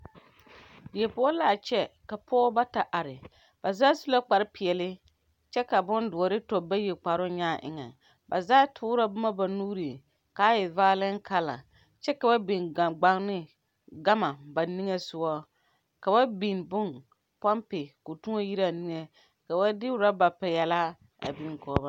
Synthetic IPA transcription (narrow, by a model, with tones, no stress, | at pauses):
dɪ˨ɛ˨pʊ˨˦ɔ˦laː˨t͡ʃɛ˦ka˨pʰɔ˦ba˦ta˨ʔa˨ɾɪ˨ | b̥a˨zaː˦su˦la˦k͡pa˨ɾɪ˦pɪ˨ɛ˨lɪ˦ | t͡ʃɛ˦ka˨bʊ˦ndʊ˨ɔ˨ɾɪ˦tɔ˨ba˦je˨k͡pa˨ɾʊ˦ɲaː˦ʔɪ̰˨ŋa̰˨ | ba̰˨zaː˦tʰʊː˦ɾa˦bʊ˦ma˦ba˨nuː˦ɾi˨ | ka˦jɪ˨vaː˦lɪ˦ŋ˦ka˦la̰˨ | t͡ʃɛ˦ka˨ba˦bi˨na˨ɡ͡ba˦ŋ˦nɪ˦ | ɡa˦ma˨ba˨ni˦ŋe˦sʊ˦wa˦ | ka˨ba˦bi˨nbʊ˦n | pa˦mpɪ˨kʊ˨tu˦ŋo˦ji˦ɾa˦˨ni˦ŋe˨ | ka˨ba˦dɪ˦ɾa˦ba˨pɛ˨jɛ˨la˦ | a̰˨bi˦ŋ˨kɔː˨˦ba˦